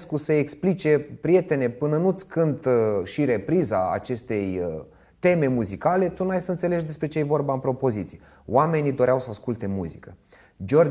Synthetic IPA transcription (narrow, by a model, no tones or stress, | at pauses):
skuseːksplit͡ʃe̞pɾije̞t̪e̞ne̞pɨnənut̪sʲkɨnt̪ʃiɾe̞pɾizaa̰t͡ʃe̞st̪e̞j | t̪e̞me̞muzikale̞t̪unajsəɨnt̪se̞le̞ʒʲd̪e̞spɾe̞t͡ʃeejvo̞rbaɨmpɾo̞po̞zit̪sije | wame̞nid̪o̞ɾeawsəaskult̪e̞muzikə | d͡ʒo̞r